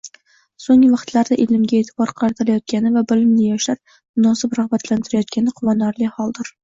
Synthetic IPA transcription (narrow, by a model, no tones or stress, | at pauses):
soŋɪvɑχt̪ʰlaɾd̪aʔɪlɪmɡʲaet̪ʰɪ̥bɒɾqʰɑɾat̪ʰɪɾajɒt̪̚kʲʰanɪvabɪlɪmnɪjɒʃap̚ | mʊnɒsɪpɾahbat̪ʰlant̪ʰɪɾajɒt̪̚kʲanɪqʰʊvɒnaɾlɪhɒlˠd̪ɪɾ